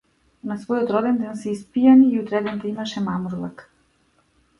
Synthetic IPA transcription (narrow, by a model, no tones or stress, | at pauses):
nasvojot̪ɾod̪ɛnd̪ansɛispijaniːut̪ɾɛd̪ɛnt̪aimaʃɛmamɾulˠak